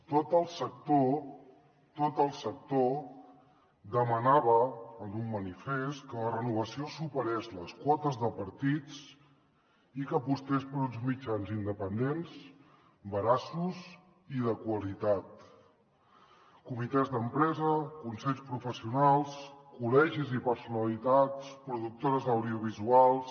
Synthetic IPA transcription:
t̪ot̪əlˠsək̚t̪o | t̪ot̪əlˠsək̚t̪o | d̪əmənaβəːnumːənifest̪kələrənuβ̞əsiosupəɾezləskwɔt̪əzðəpəɾt̪it͡s | ikəːpust̪espəɾunzmid͡ʒanzind̪əpənd̪ensz | bəɾasuz | iðəkwəlit̪at̪ | kumit̪ɛzðəmpɾɛzəkunsɛʎspɾufəsiunalˠskulɛʒizipəɾsunəlit̪att͡spɾuðuk̚t̪oɾəzəwðiuβ̞izualˠs

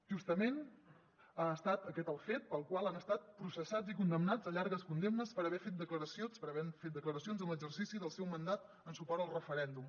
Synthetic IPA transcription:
ʒust̪əmen | aəst̪at̪əkɛt̪əlˠfet̪̚pəlˠkwalˠanəst̪at̪̚pɾusəsad͡zikund̪əmnad͡zəʎaɾɣəskund̪emnəspəɾəβɛfet̪̚d̪əkləɾəsionspəɾəβɛfet̪̚d̪əkləɾəsionzənləɡzərsisiðəlˠsɛwmənd̪at̪̚ | ənsupɔɾt̪əlˠrəfəɾɛnd̪um

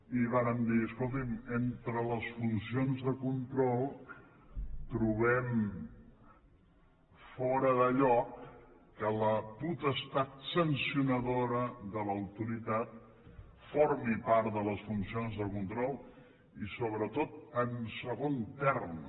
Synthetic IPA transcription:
iβaɾəmd̪iəskolˠt̪iment̪ɾələsfunsionzðəkunt̪ɾɔlˠ | t̪ɾuβɛm | fɔɾəðəʎɔkː | ələput̪əst̪at̪̚sənsiunəðoɾəðələwt̪uɾit̪at̪̚ | foɾmipaɾt̪d̪ələsfunsionzðəkunt̪ɾɔlˠ | isoβɾət̪ot̪̚ənsəɣont̪ɛrm

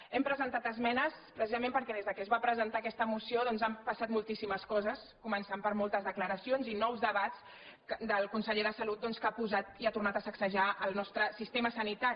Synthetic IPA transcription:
ɛmpɾəzənt̪at̪əzmɛnəspɾəsizəmẽmpəɾkɛðezðəkɛzβapɾəzənt̪aəkɛst̪əmusioðɔnzampəsat̪̚mulˠt̪isiməskɔzəs | kumənsampəɾmolˠt̪əzðəkləɾəsionzinɔwzðəβat̪t͡s | kd̪əlˠkunsəʎeðəsəlut̪̚d̪ɔnskapuzat̪iat̪urnat̪əsəksəʒaʔəlˠnɔst̪ɾəsist̪eməsənit̪aɾi

